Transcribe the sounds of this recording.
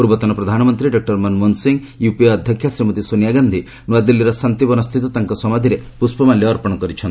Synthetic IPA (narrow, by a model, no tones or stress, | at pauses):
puɾbɔt̪ɔnɔpɾɔd̪ʱanɔmɔnt̪ɾiɖɔk̚ʈɔɾmɔnmunsiŋ | jupiɔd̪ʱjɔkʰːjasɾimɔt̪isonijaɡand̪ʱi | nuwad̪ilːiɾɔsant̪ibɔnɔst̪ʰit̪ɔt̪aŋkɔsɔmad̪ʱiɾepuspɔmaljɔːɾpɔɽ̃ɔkɔɾit͡ʃʰɔnt̪i